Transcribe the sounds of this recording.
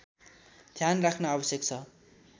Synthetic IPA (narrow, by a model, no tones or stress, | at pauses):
d̪̥ʱjanrakʰnʌabʌsjek̚t͡sʰʌ